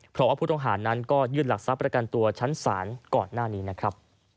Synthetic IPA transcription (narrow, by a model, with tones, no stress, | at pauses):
pʰɾɔ˦˥waː˥pʰuː˥˩t̪ŋɦaː˩˦nːa˦˥nkɔː˥˩jɯː˥˩nla˨˩k̚sa˦˥pːɾa˧ka˧nt̪u˧ɐt͡ɕʰa˦˥nsaː˩˦nkɔː˨˩nːaː˥˩niː˦˥na˦˥kʰɾa˦˥p̚